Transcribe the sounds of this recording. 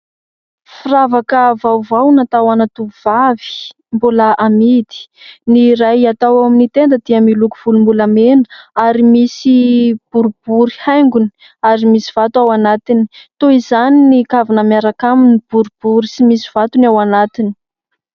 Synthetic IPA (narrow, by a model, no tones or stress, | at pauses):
firavakəvawvawnat̪awanat̪uvavi̥ | mbulaʔamid̪i̥niɾajat̪awawaminit̪end̪əd̪iəmilukuv̥ulumbulamenə̥aɾimisib̥uɾub̥uɾihajŋɡuni̥ | aɾimisiv̥at̪awanat̪ini̥t̪oizaninikavinamjaɾakaminib̥uɾub̥uɾisimisiv̥at̪unawanat̪ini̥